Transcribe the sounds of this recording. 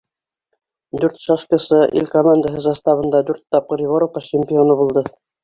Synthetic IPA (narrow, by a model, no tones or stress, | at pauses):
d̪ʉɾt̪ʃɑʃkəsɤʔḭlʲkomand̪əɦɤzɑst̪ɑβɤ̆nd̪ɑd̪ʉɾt̪ːɑp̚qɤɾjiβoɾopːɑɕɪmʲpʲɪonɤbulˠd̪ɤ